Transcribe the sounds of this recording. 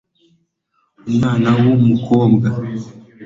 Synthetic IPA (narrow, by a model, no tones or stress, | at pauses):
umaːnawomukʰɔːmɡa